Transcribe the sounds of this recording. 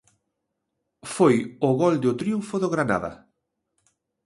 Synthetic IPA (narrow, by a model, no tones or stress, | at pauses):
fojʊɣɔld̪ʊt̪ɾiuɱfʊðoɣɾana̰ðɐ̰